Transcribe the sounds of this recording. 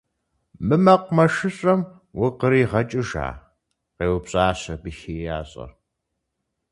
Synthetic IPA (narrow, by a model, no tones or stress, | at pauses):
mɨmɐqʷmɐʂɨɕʼɐm | wʊqəɾiːʁɐt͡ʃʼɨʒa̰ː | qeːwʊpɕʼaːɕɐbɨxeːjaːɕʼɐ̰